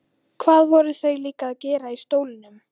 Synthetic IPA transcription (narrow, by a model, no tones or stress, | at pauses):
kʰvaːðvɔɾʏθœɥjliːkaðcɛːɾaist̪oːwlɪnʏm